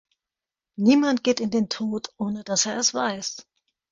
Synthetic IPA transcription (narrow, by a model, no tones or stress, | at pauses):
niːmant̚ɡ̥eːtɪndeːntʰoːtʰʔoːnədaseːɐɛsv̥aɪs